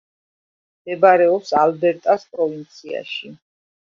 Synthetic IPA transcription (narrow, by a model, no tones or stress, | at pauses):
md̪ɛbaɾɛɔpsalbɛɾt̪ʼaspʼɾɔvint̪sʰia̰ʃi